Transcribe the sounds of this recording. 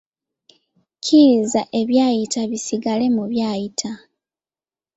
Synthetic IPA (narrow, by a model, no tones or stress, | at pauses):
cʰizaʔe̞βjaːjitaβisiɡale̞muβjaːjitʰa